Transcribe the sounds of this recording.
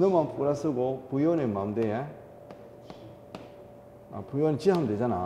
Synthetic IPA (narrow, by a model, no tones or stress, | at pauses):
nɯmanpuɾasɯɡopujonemamd̪ee | a̰pujonit͡ɕiɦamded͡ʑana